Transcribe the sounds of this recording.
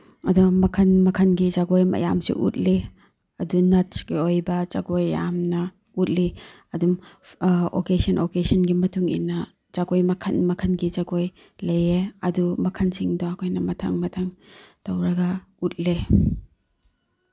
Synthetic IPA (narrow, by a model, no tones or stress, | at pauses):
ɐdumɐkʰɐnmɐkʰɐnɡizaɡojmɐ̰ja̰msḭʔṵt̚li | ɐdunɐt̚sɡeojbɐza̰ɡojːa̰mnɐ | ut̚li | ɐdum | o̰kesɐnʔokesɐnɡimɐtuŋḭnɐ | zaɡojmɐkʰɐnmɐkʰɐnɡizaɡoj | lejeɐdumɐkʰɐnsiŋdɔɐkʰojnɐmɐtʰa̰ŋmɐtʰaŋtɐwɾɐɡɐut̚le